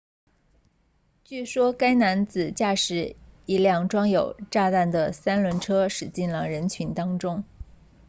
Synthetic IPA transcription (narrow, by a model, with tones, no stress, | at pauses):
t͡ɕy˥˩ʂwɔ˥ka˥ɪna˧˥nt͡sɹ̩˨˩t͡ɕja˥˩ʂɻ̩˨˩˥i˧˥ljɑ˥˩ŋʈ͡ʂwɑ˥ŋjo˨˩ʊʈ͡ʂa˥˧t̪a˥˩nd̪ə˩sa˥nlwə˧˥nʈ͡ʂʰɤ˥ʂɻ̩˨˩t͡ɕi˥˩nlə˩ɻə˧˥nt͡ɕʰy˧˥nt̪ɑ˥ŋʈ͡ʂʊ˥ŋ